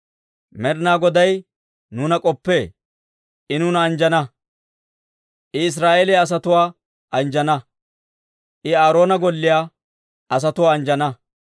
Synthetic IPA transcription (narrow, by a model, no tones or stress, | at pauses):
mɛɾnaːɡɔd̪ɐj | nuːnɐkʼɔpːe̞ː | ʔɪnuːnɐːnd͡ʒɐnɐ | ʔɪɪs̬ɾaːʔeːlɛɐs̬ɐt̪ʊwaː | ʔɐnd͡ʒɐnɐ | ʔɪaːɾo̞ːnɐɡɔlːɪjaː | ʔɐs̬ɐt̪ʊwaːɐnd͡ʒɐnɐ